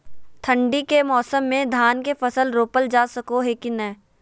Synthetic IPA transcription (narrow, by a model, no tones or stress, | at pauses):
t̪ʰə̃ɳɖikemɔːsəmːẽd̪ʱaːnkefɐsəlɾoːpəld͡ʒaːsɐkoɦekinɛ̃ː